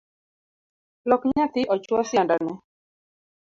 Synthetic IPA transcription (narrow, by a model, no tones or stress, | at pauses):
lɔkɲat̪ɪʔɔt͡ʃwɔsjandanɛ